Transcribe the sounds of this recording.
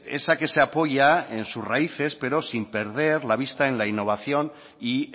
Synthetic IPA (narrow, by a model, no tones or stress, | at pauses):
ḛsake̞se̞apo̞ʝaensuzraiθe̞spe̞ɾo̞simpe̞ɾð̞e̞ɾlaβ̞ist̪ae̞nlainːo̞β̞aθjo̞n | i